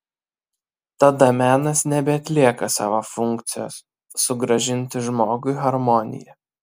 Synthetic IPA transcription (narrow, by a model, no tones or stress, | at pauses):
t̪ɐd̪ɐmʲæːnɐsnʲɛbʲɛɐt̪ʲlʲiɛkɐsɑ̰ːʋofʊŋkt̪sʲɪjo̰ːsː | ʊɡɾɐʒʲɪnʲt̪ʲɪʒmoːɡʊɪɣɐɾmɔnʲɪ̰jɛ